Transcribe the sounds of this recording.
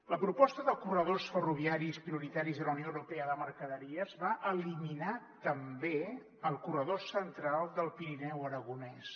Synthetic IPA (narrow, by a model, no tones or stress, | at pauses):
ləpɾupɔst̪əðəkurəðosfəruβ̞iaɾispɾiuɾit̪aɾizðələwnioəwɾupeəðəməɾkəðəɾiəzβaʔəliminat̪əmbe | əlˠkurəð̞osənt̪ɾalˠd̪əlˠpiɾinɛwəɾəɣunɛs